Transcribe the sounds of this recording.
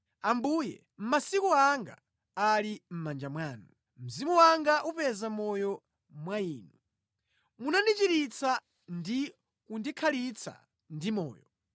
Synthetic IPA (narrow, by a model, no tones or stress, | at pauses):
ambujɛ̰ | m̩masikuaŋɡa̰ | alim̩mand͡ʒamwaːnu | m̩zimuwaŋɡaʔupɛzamɔjɔ | mwaiːnu | munandit͡ʃiɾit͡sʰa | ndi | kundikʰalit͡sʰa̰ | ndimɔ̰ːjɔ